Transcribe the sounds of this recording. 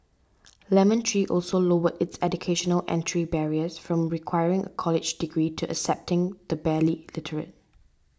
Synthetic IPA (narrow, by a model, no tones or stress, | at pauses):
lɛmə̃ntʰɹiʔɔlsolowədɪtsɛdukʰeʃɔnəlʔɛ̰̃ntʰɹibɛɹiəsfɹɔ̃mɹikʰw̥aɪɹɪ̃ŋʔə̰kʰɔlɪd͡ʒdiɡɹiːtʰuʔə̰ksɛp̚tɪ̃ŋdəbɛlilɪtʰəɹə̰t̚